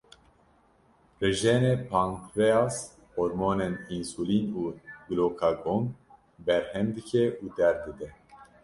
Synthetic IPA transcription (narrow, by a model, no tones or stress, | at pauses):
rɨʒeːnepʰaŋkɾeas | hoɾmoːnɛninsuːliːnuːɡɨloːkʰaɡoŋ | bɛɾhɛmd̪ɨkʰɛʔuːd̪ɛɾd̪ɨd̪ɛ